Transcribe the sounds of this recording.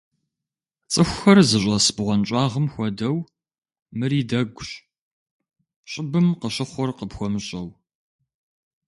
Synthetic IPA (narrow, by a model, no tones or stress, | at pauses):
t͡sʼɨxʷxɐrzɨɕʷʼɐsbʁʷɔnt͡ʃʼɑːʁəmxʷɔdɐw | mɨriːdɐɡʷɕ | ɕʼɪbɨmqəɕɪχʷɔrqəbxʷɔmɨɕʼɐw